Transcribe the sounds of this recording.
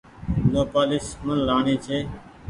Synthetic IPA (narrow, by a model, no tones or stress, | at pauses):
noːpaːlɪsmənlaːɳiːt͡ʃʰeː